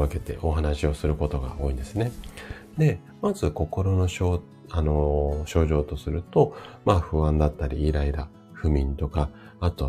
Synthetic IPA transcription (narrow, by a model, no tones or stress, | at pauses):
ake̞t̪e̞̰ʔo̞ɦanaɕio̞sɨɾɯ̟ko̞t̪o̞ɡa̰o̞ːĩnd̪e̞sɨne̞d̪e̞ | mazɨko̞ko̞ɾo̞no̞ɕo | ano̞ɕo̞ːʑo̞ːt̪o̞sɨɾɯ̟t̪o̞maɸɯ̟βãnd̪at̪ːaɾʲiːɾaiɾa | ɸɯ̟mʲĩnt̪o̞ka | at̪o̞